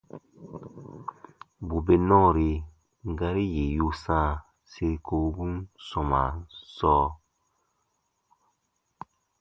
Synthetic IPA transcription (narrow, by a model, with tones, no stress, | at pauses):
bu˨be˨nɔ̃˦˨ɾe˧ | ŋ˨ɡa˦ɾi˦je˨ju˦sã˦˨ | se˧ɾi˨ko˨˦bũ˦nsɔ̃˨ma̰˨sɔː˦